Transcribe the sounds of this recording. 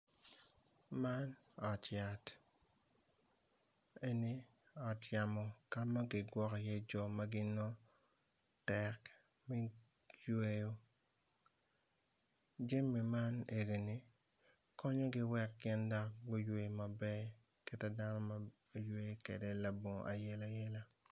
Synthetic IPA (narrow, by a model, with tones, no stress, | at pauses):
ma˦nɔ˨tja˨t | e˦ni˦ | ɔ˨tja˨mɔ˨ka˦ma˦ɡɪ˨ɡwɔ˦kɔ˨jɛ˦d͡ʒɔ˨ma˦ɡɪ˦nɔ˦ | tɛ˨k | mi˦ | jwe˦jo˦ | d͡ʒe˦mːi˨ma˦ne˨ɡe˨ni˦ | kɔ˦ɲɔ˦ɡɪ˦wɛ˦kːɪ˦nda˦kɡo˦jwe˨ma˨bɛ˦ | ke˦tɛ˦da˦nɔ˦ma˨ | jwe˨˦kḛ˨dɛ˦la˨bo˨ŋ˨ʔa˨jɛ˦la˦jɛ˦la˦